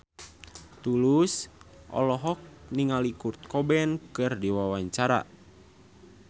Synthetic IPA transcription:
t̪ulus | ʔɔ̰lɔɦɔk̚niŋalikurt̪̚kɔbɛnkɨrdiwawaɲt͡ʃaɾa̰

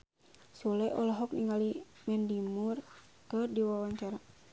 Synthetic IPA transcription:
sulɛʔɔlɔɦɔkniŋali | mɛndimur | kərdiwawaɲt͡ʃaɾa

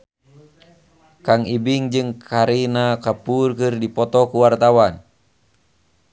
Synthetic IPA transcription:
kaŋibiŋd͡ʒɨŋkʰaɾinakapurkɨrdipɔt̪ɔkuwart̪awan

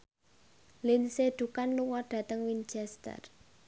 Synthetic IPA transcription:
linsed̪̥ukanluŋɔɖ̥ä̤t̪əŋwint͡ʃɛst̪ə̰r

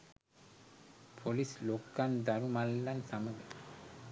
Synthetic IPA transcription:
pʰolislokːand̪ɐɾumɐlːɐnsɐmɐɡ̪e

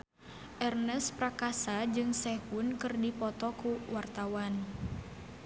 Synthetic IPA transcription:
ʔɛrnəsprakasad͡ʒɨŋsɛhunkɨrdipɔt̪ɔkuwart̪awan

